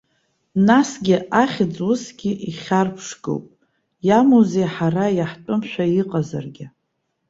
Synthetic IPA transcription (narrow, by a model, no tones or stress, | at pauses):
nasɡʲɪʔaχʲd͡zwʊsɡʲɪʔiχʲarpʰʂɡo̰wpʼ | jamozejħarajaħt͡pʷʼʊmʃʷᶣaiqʼaza̰rɡʲɪ